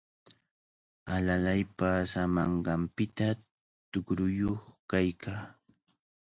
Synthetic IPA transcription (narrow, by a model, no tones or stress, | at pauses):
alalajpasamɑɴɢɑmpɪt̪a | t̪ʊkɾʊjoχkajkʰaː